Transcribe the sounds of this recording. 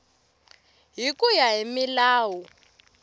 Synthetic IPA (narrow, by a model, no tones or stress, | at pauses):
ɦikujaɦimilaːwu